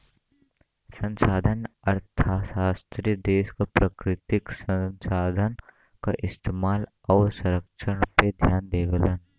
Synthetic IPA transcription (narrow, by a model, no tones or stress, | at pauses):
sə̃nsaːd̪ʱənɐɾt̪ʰasaːst̪ɾijəd̪eːskapɾəkɾɪt̪ɪksə̃nsaːd̪ʱən | kaʔɪst̪emaːl | ɔːɾsɐɾəkʃəɽped̪ʱjaːnd̪eːʋələn